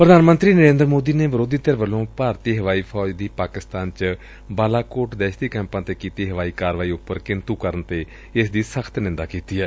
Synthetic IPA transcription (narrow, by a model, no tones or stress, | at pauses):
pəɾəd̪aːnmənt̪ɾiːnəɾẽːnd̪ɾmoːd̪iːneːʋəɾoːd̪iːt̪əɾʋəlõːpaːɾt̪iːɦəʋaːiːpʰɔːd͡ʒd̪iːpaːkɪst̪aːnt͡ʃ | baːlaːkoːʈd̪ɛːʃd̪iːkɛ̃ːmpãːt̪eːkiːt̪iːɦəʋaːiːkaːɾʋaːiːʊpːəɾkɪnt̪uːkəɾənt̪eː | ɪsd̪iːsəkʰt̪nɪ̃nd̪aːkiːt̪iːɦɛː